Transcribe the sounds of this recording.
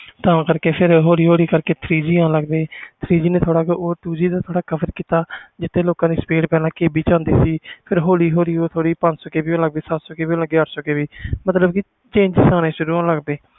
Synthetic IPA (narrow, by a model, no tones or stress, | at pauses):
t̪ãːkəɾkeːpʰɪɾɦoːliːɦoːliːkəɾkeːt̪ʰɾiːd͡ʒiːãːləɡd̪eːt̪ʰɾiːd͡ʒiːnẽːt̪ʰoːɽaːkoːʈuːd͡ʒiːd̪aːt̪ʰoːɽaːkəpəɾkiːt̪aːd͡ʒɪt̪ʰːeːloːkãːd̪iːspeːɖpɛːlãːkeːbiːt͡ʃãːnd̪eːsiːpʰɪɾɦoːliːɦoːliːoːt̪ʰoːɽiːpə̃nsoːkeːbiːõːləɡ̚b̪eːsat̪soːkeːbiːləɡeːəʈʰsoːkeːbiːmət̪ləbki | t͡ʃẽːɲd͡ʒsãːnẽːʃʊɾuːãːləɡd̪eː